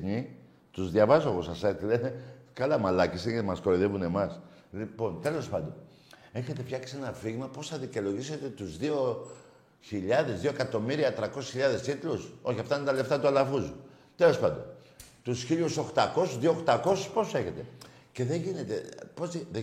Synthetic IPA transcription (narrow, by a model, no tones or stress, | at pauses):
ɲi | t̪uzðʝɐvɐzoɣosɐset̪ilenekɐlɐmɐlɐcisecemɐskoɾiðe̞vune̞mɐs | lipo̞nt̪e̞lo̞spɐnd̪o̞n | e̞çe̞t̪e̞fçɐksie̞nɐfiɣmɐpo̞sθɐðico̞lo̞ʝise̞t̪e̞t̪uzðio̞ | çiʎɐðe̞zðioekɐt̪o̞miɾiɐt̪ɾɐko̞si̥sçiʎɐðe̞sit̪luso̞çiɐft̪ɐinet̪ɐle̞ft̪ɐt̪uɐlɐfuzu | t̪e̞lo̞spɐnd̪o̰n | t̪usçiʎuso̞xt̪ɐko̞suzðioxt̪ɐko̞su̥spo̞se̞çe̞t̪e̞ | ce̞ðeʝine̞t̪e̞pozðe